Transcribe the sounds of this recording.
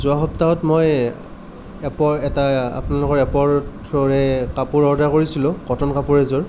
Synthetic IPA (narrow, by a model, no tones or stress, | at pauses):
zʊaxɔp̚taɔtmoj | ɛpɔɹɛtaa̰pnalʊkɔɹɛpɔɹtʰɹɔɹɛkapuɹɔɹdaɹkoɹisilʊ̃kɔtʰɔnkapuɹɛzɔɹ